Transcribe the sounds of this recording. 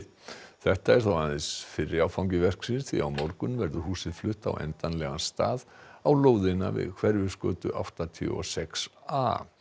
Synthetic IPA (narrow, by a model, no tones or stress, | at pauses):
θɛht̪aɛɾ̥θawaðɪsfɪɾɪawfaw̃ŋcɪvɛr̥ksiɾθḭawmɔwɾkʏnvɛɾðʏhuːsɪðflʏht̪a̰wɛ̰nt̪anlɛɣanst̪aːðawloːwðɪnːavɪ̰ðkʰvɛɾvɪskœːt̪ʏʔa̰wht̪at̪ʰiɔ̰sɛksaː